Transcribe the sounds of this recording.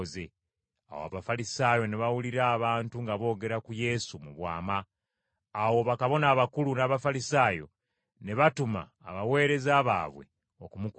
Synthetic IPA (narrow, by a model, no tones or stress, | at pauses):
ze | a̰woaβafalisaːjo̞neβawuliɾaːβaːntuŋɡaβo̞ːɡe̞ɾakuje̞sumuβwa̰ːmaː | wo̞βakaβo̞naːβakulunaːβafalisaːjo̞̰ | ne̞βatuma̰ːβawe̞ːɾe̞zaːβa̰ːβwḛ | okumuk